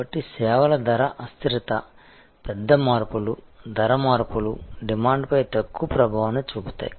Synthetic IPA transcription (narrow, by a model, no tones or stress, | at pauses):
ɐʈːisɛːʋɐlɐd̪ɐɾɐʔɐst̪iɾɐt̪ɐ | pɛd̪ːɐmaːɾpulud̪ɐɾɐmaːɾpuluɖimaːɳɖpɐjt̪ɐkːupɾɐbʱaːʋɐnut͡ʃuːbut̪a̰ːji